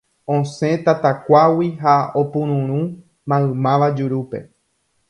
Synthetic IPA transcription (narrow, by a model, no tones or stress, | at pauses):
õsẽ̞t̪at̪akʷawiɦaopũɾ̃ũɾ̃ũ | mãɨ̃mãʋad͡ʒuɾupe̞̰